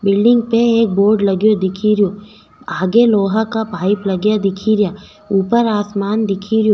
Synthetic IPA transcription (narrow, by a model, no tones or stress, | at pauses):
bɪlɖɪ̃ŋɡ̚peeːk̚boːɾɖlɐɡjod̪ɪkʰiɾijoː | aːɡeloːɦakabʱaːɪplɐɡjad̪ɪkʰiɾjaː | uːpəɾaːsmaːnd̪ɪkʰiɾjoː